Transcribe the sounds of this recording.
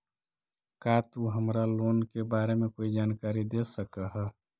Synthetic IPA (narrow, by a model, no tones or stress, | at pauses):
kat̪uɦəmɾaloːnkebaːɾemẽkoːid͡ʒaːnkaːɾid̪esəkəɦɛ